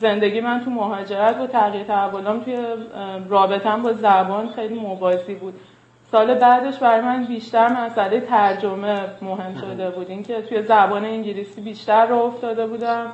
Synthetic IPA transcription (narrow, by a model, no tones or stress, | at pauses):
ze̞nd̪eɟiːmænt̪ʰumoɦɒːd͡ʒe̞ɾæt̪ʰbɒt̪ʰæɣiɾt̪ʰæævːoːlɒmt̪ʰuje̞rɒːbe̞t̪ʰænbɒːzæbɒːnxejliːmobɒːziːbuːd̪̥ | sɒːle̞bæd̪e̞ʃbæɾɒːjemænbiːʃt̪æɾmæsæle̞jet̪ʰæɾd͡ʒome̞moɦe̞mʃod̪e̞buːd̪iːncʰe̞t̪ʰuje̞zæbɒːne̞iɲɟilisiːbiːʃt̪æɾːɔoft̪ɒːd̪e̞buːd̪æm